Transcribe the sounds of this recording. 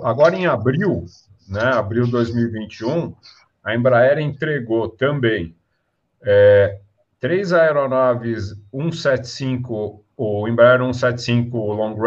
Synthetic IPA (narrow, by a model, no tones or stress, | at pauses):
aɡɔɾɐẽj̃abɾiw | nɛabɾiwd̪ojzmiwivĩnt͡ʃiũ | ɐẽbɾaɛɾẽnt̪ɾeɡot̪ɐ̃bẽj̃ | ɛ | t̪ɾejzaeɾonɔvɪzũsɛt͡ʃɪ̥sĩkʊ | oẽbɾaɛɾũsɛt͡ʃɪ̥sĩŋkʊlõɡɾ